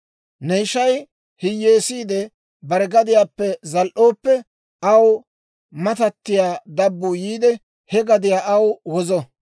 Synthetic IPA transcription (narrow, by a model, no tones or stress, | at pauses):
nɛjʃɐj | hɪjːeːsiːd̪ɛ | bɐɾɛɡɐd̪ɪjaːpːɛzɐlʔo̞ːpːɛ | ɐw | mɐt̪ɐt̪ːɪjaːd̪ɐbːuːjiːd̪ɛ | hɛɡɐd̪ɪjaːʔɐwwɔzɔ